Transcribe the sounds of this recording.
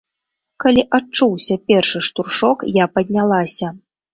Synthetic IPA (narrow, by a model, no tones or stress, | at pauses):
kalʲiʔat͡ʂuwsʲɐpʲɛrʂɨʂt̪urʂɔkjapɐd̪ʲnʲalˠasʲɐ